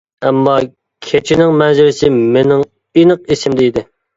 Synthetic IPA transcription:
ɛmːɑ | kʲʰet͡ʃʰɪnɪŋmɛzɪɾɪsɪmenɪŋ | inəq̚isɪmd̪ɛid̪ɪ

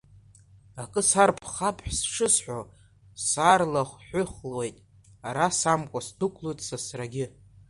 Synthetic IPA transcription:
akʼɨsarpʰχapʰʼħʷsʂɨsħʷᶣo | sarlaχʷħʷʊχlwe̞jtʼ | aɾasamkʷʼasdʰɨkʷʰʼlutʼsasraɡʲɪ

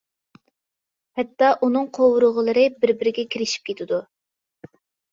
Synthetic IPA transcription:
hɛt̪ːɑʔunɨŋqʰowʊɾʊʁəlˠəɾɨbɪɾbɪɾɪɡʲɛkʲʰiɾɪʃi̥p̚kʲʰet̪ʰɪd̪u

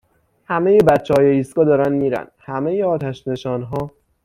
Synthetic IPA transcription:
hæmejebæt̪t͡ʃːehɒːjeiːst̪kɒːd̪ɒːɾænd̪miːɾæ̰nd̪hæme̞jeɒːt̪ʰæʃne̞ʃɒːnɦɒː

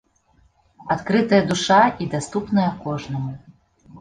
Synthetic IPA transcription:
at̪kɾɨt̪ɐjɐd̪uʂaid̪ast̪upnɐjɐkɔʐnɐmu

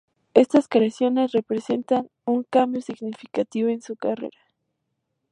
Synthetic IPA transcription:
est̪askɾeasjonesrepɾese̞nt̪aŋ | uŋkambjosɪɡnifi̥kat̪ioensukarḛɾa

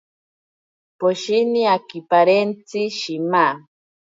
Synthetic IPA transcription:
poʃiniakipaɾent͡siʃima

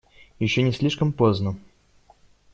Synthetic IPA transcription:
jɪɕːonʲɪsʲlʲiʂkəmpoznə

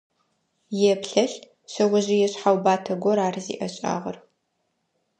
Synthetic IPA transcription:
jɛpɬɐɬ | ɕɐʁʷʊʑijɛɕħawbaːtʰɐɡʷɔɾaːrzḭːʔɐɕʼa̰ːʁɐr

